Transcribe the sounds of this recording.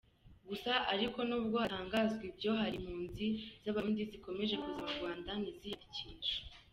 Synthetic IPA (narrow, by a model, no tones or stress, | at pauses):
ɡusaʔaɾiko̞nuːb̚ɡo̞hataːŋɡaːzɡwibɟo̞ɦaɾim̥huːnziz̥aβandiziko̞me̞ʒe̞kuzaβaɾɡwaːndanizijɾiciːnʒḁ